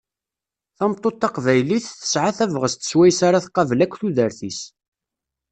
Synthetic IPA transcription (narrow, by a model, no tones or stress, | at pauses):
θæmt̪ˤːot̪ːɑqvæjliθθə̥sʕaθævʁəst̪ə̥swæjsaɾaθqɑvlækʷːθuðəɾθis